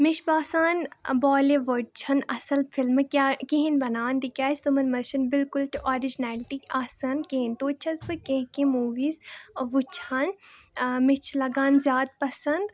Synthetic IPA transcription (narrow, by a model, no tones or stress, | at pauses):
mɪʃbaːsaːnbɔːleʋoɖ̚t͡ʃʰɐnɐsɐlfʰɪlmɨkaːkiɦinbɐnaːnd̪ikʲaːst̪umɐnmɐʃɐnbɪlkʊltʔɔːɾɪd͡ʒnɛːlɪʈikaːsɐnkeɦint̪oːt͡ʃʰɐzbɨkẽɦkẽmuːʋiːzʋut͡ʃʰaːn | mɪt͡ʃʰlɐɡaːnzjaːd̪̚pɐsɐnd̪